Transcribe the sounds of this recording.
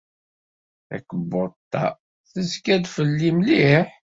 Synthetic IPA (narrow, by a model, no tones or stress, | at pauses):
æ̰kːəbːot̪ːɑ̰ | θəzkæd̪fəlːimliħ